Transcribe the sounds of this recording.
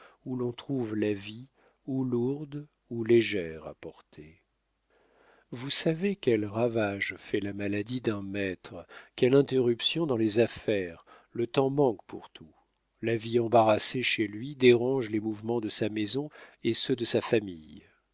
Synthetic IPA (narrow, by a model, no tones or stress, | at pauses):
ulɔ̃t̪χuvlavi | uluʁd̪ | uleʒɛʁa̰pɔʁt̪ʰe | vusavekʲɛlʁavaʒfɛlamalad̪id̪ɛ̃mɛt̪χkʲɛlɛ̃t̪eʁypsjɔ̃d̪ɑ̃lezafɛʁ | lət̪ɑ̃mɑ̃kpʰṵʁt̪ʰu | laviɑ̃baʁaseʃelɥid̪eʁɑ̃ʒlemuvmɑ̃d̪əsamezɔ̃esød̪əsafamij